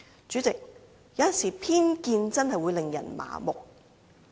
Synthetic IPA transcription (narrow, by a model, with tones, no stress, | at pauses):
t͡ʃyː˨˥t͡sɪ˨k̚ | jɐ˨˧wjɐ˨nsiː˨˩pʰiː˥nkiː˧nt͡sɐ˥nɦɐ˨jwu˨˧jlɪ˨ŋjɐ̰˨˩nma̰ː˨mʊ˨k̚